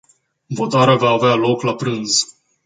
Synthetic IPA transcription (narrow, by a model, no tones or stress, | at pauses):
vo̞t̪aɾeavaːvealo̞klapɾɨnz̥